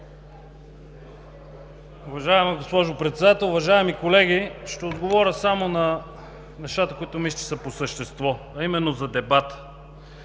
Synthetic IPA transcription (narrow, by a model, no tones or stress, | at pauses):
ʊvɐʒaɛmɛɡospɔʒopɾɛt̪sɛd̪at̪ɛlˠʊvɐʒaɛmikolɛɡ̟iʃt̪ɛod̪ɡovɔɾʲəsamonɐ | nɛʃt̪at̪əkʊit̪ʊmiʃt̪i̥səposəʃt̪ɛst̪vɔ | ɐimɛnːozɐd̪ɛbat̪ə̥